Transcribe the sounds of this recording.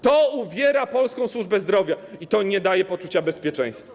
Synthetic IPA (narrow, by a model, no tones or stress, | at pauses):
t̪ɔuvʲjɛɾapɔlskɔ̃w̃swuʐbɛzd̪ɾɔvʲjait̪ɔɲɛd̪ajɛpɔt͡ʂut͡ɕabɛspʲjɛt͡ʂɛ̰̃j̃st̪fa